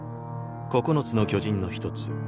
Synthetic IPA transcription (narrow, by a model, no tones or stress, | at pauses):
ko̞kono̞t͡sɨno̞kʲo̞ʑĩnːo̞çi̥t̪o̞t͡sɨ̥